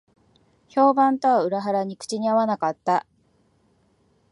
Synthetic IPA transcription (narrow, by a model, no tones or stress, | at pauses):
ço̞ːbãnt̪o̞βaɯ̟ɾaɦaɾaɲ̟ikɯ̥t͡ɕiɲ̟iaβanakat̪ːa